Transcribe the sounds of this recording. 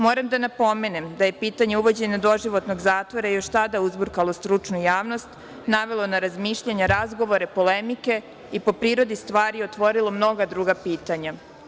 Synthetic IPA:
mo̞ːɾamd̪anapo̞me̞nemd̪aje̞piːt̪aɲe̞uʋo̞d͡ʑe̞ɲad̪o̞ʒiʋo̞t̪no̞ɡzaːt̪ʋo̞ɾaijo̞ʃt̪ad̪auzbuɾkalˠo̞st̪ɾut͡ʃnujaːʋno̞st̪ | naʋe̞lˠonaɾazmiːʃʎaɲaɾazɡo̞ʋo̞ɾe̞po̞le̞mike̞ | ipo̞pɾiːɾo̞d̪ist̪ʋaːɾijot̪ʋo̞ɾilˠo̞mno̞ɡad̪ɾuːɡapiːt̪aɲa

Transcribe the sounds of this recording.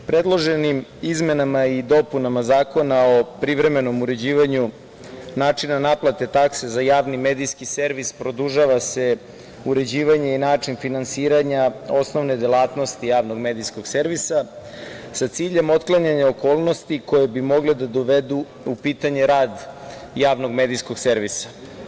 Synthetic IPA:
pɾe̞d̪lˠo̞ʒenimizme̞namaid̪o̞punamazaːko̞nao̞pɾiʋɾe̞me̞no̞muɾe̞d͡ʑiːʋaɲu | naːt͡ʂinanaplˠat̪e̞t̪aksezajaːʋnime̞d̪ijskise̞ɾʋispɾo̞d̪uʒaʋase̞ | uɾe̞d͡ʑiːʋaɲe̞inaːt͡ʂinfinansiːɾaɲao̞sno̞ʋned̪elˠaːt̪no̞st̪ijaːʋnoɡmed̪ijsko̞ɡ̥se̞ɾʋisa | sat̪siːʎe̞mo̞t̪klˠaɲaɲeoko̞ːlˠno̞st̪iko̞jebimo̞ɡled̪ad̪o̞ʋe̞d̪u | upiːt̪aɲe̞ɾaːd̪jaːʋno̞ɡmeːd̪ijsko̞ɡse̞ɾʋisḁ

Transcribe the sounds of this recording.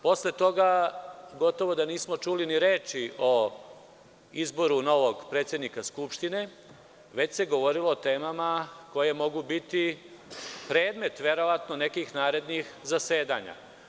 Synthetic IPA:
po̞sle̞t̪o̞ɡaɡo̞t̪o̞ʋo̞d̪aniːsmo̞t͡ʃuliniɾe̞ːt͡ʃiʔo | izbo̞ɾuno̞ʋoɡpɾe̞ːt̪sje̞d̪nikaskupʃt̪ine̞ | ʋe̞t͡ɕse̞ɡo̞ʋo̞ɾilo̞ːt̪e̞ːmamako̞je̞mo̞ɡubit̪i | pɾe̞ːd̪me̞t̪ʋe̞ɾo̞ʋat̪none̞kixnaːɾe̞d̪nixzase̞ːd̪aɲa̰

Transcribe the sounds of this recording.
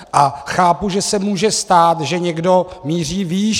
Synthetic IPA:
ʔaxaːpuʒɛsɛmuːʒɛst̪aːt̪ʒɛɲɛɡdo̞miːriːviːʃ

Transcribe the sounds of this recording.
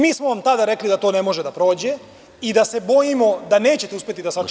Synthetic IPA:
miːsmoʋamt̪ad̪aɾeklid̪at̪o̞ːne̞mo̞ʒed̪apɾo̞ːd͡ʑe̞ | id̪ase̞bo̞jimo̞d̪ane̞ːt͡ɕe̞t̪euspʲjet̪id̪asa

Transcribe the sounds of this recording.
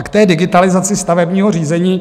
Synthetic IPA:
kt̪ɛːdɪɡɪt̪alɪzat͡sɪst̪avɛbɲiːɦo̞r̝iːzɛɲiː

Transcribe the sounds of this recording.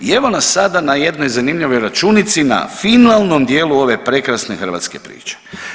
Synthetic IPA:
eʋo̞nasːad̪anaje̞d̪no̞jzanimʎiʋo̞jɾat͡ʃunit̪sina̰finalˠno̞md̪je̞ːlˠuo̞ʋe̞pɾe̞kɾasnexrɾʋa̰t̪ske̞̰pɾḭːt͡ʃe̥

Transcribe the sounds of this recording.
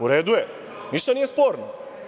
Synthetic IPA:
uɾɛd̪ujɛ | niʃt̪onijɛspoɾno

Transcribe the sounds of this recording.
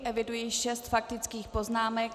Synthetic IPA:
ʔɛvɪdujiːʃɛst̪fak̚t̪ɪt͡skiːxpo̞znaːmɛk

